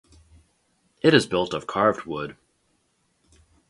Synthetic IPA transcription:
ʔɨɾɨzbɪlˠtʌv̥kʰɑɹvd̚wʊd̥

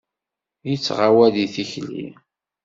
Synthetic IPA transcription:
jit͡sːʁawæðiθiçlḭ

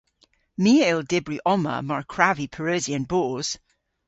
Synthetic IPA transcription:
miːelˠdɪbɹiʔɔmə̰maɹkʰɹ̥avipʰəɹəːziə̃nboːz̥

